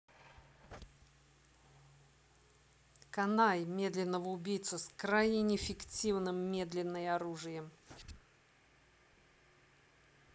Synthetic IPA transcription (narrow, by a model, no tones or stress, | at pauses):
kɐnajmʲe̞d̪lʲɪnːəvəʊbʲijt̪səskɾajnʲɪnʲɪfʲɪktʲivnɨmːʲe̞d̪lʲɪnːɨjɐɾuʐɨjəm